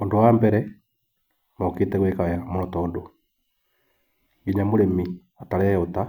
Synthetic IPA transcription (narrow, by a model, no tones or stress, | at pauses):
oːndowambɛɾɛ | mɔketɛɣwekajamoɾotɔːndo | ŋɡiɲamoɾemi | ataɾɛota